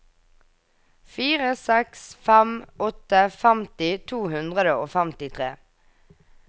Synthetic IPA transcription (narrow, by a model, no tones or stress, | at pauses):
fiːʁəsɛksfæmʔɔt̪əfæmt̪ɪt̪ʰuːhʉnd̪ʁəd̪əoːfæmt̪ɪt̪ʰʁḛː